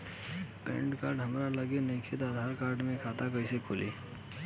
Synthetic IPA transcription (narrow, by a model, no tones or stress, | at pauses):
pḛ̃ːɳʈkaːɾɖɦɐmɾaləɡenɐĩkʰet̪aːd̪ʱaːɾkaːɾɖmẽkʰaːt̪akəisekʰoːlḭː